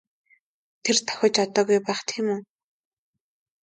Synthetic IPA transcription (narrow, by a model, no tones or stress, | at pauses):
t̪ʰert̪ʰɔ̥xʲɔːt͡ɕɔt̪ɔːɣujpæːχt̪ʰiːmuː